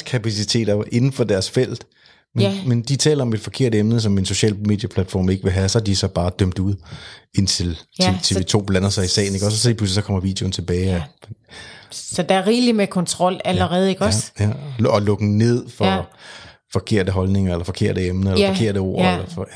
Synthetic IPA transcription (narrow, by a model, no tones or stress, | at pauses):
skʰæpʰæsit͡sʰe̝̰ːd̥ɐʔe̝nn̩fɒ̽d̥æɐsfel̰d̥ | menmend̥it͡sʰɛ̰ːlɐɒ̽me̝d̥fɒ̽kʰe̝ɐ̰dəemnəs̬ɒ̽me̝nso̝ɕɛ̰ːlme̝ːd̥jæpʰlæd̥fɒ̰ːme̝ɡ̥əʋe̝ɦæsɒhæd̥isɒ̽b̥ɑ̈ːd̥øm̰d̥uð̰ˠe̝nt͡sʰe̝lʰet͡sʰe̝ʋe̝t͡sʰo̝̰ːb̥lænɐsɑ̈ɪisɛ̰ːɪne̝ɡ̥ɒs̬sipʰluslisɒ̽kʰɒ̽m̰ɐʋḭːd̥jo̝nt͡sʰe̝b̥ɛːɪ | sɒd̥ɑæɐʁiːlimekʰɒ̽nt͡sʰʁɒ̽l̰æləʁɛːð̞̩ˠeɡ̥ɒsjæɒ̽lɔ̽ɡ̥ŋ̩ne̝ð̞̰ˠfɒ | fɒ̽kʰe̝ɐ̰d̥əɦɒ̽lne̝ŋɐelɐfɒ̽kʰe̝ɐ̰ɾəemnəelɐɒkʰe̝ɐ̰ɾ̥əo̝̰ːɐelɐ